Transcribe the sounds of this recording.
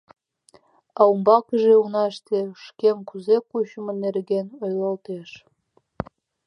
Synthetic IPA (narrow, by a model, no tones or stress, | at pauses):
ɑumbɑkə̆ʒeunɑʃt̪eʃkʲemkuzekuɕəmɤ̆nerɡʲenojlˠɑlt̪eʃ